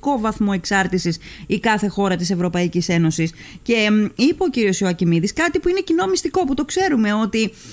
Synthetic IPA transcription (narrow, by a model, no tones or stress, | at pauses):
ko̞vɐθmo̞e̞ksɐɾt̪isis | ikɐθe̞xo̞ɾɐt̪ise̞vɾo̞pɐicise̞no̞sis | ce̞ipɐociɾio̞soɐcimiðiskɐt̪ipuine̞cino̞ɐmist̪iko̞put̪o̞kse̞ɾume̞o̞t̪i